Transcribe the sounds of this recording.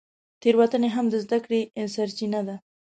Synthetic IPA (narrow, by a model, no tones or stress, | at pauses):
t̪eɾwat̪əneɦamd̪əzd̪akɽeɪnsaɾt͡ʃinad̪a